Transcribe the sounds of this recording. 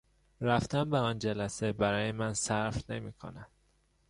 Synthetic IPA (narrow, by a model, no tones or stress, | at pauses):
ɾæft̪ʰæmbeɒːnd͡ʒælæsebæɾɒːjemænsæɾfnemiːkʰo̰nænd̪̥